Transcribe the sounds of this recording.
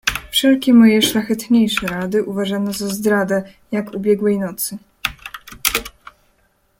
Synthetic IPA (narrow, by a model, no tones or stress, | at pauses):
fʂɛlkʲɛmɔjɛʂlaxɛt̪ɲejʂɛɾad̪ɘʔuvaʐanɔzazd̪ɾad̪ɛ | jakubʲjɛɡwɛjnɔt̪sɘ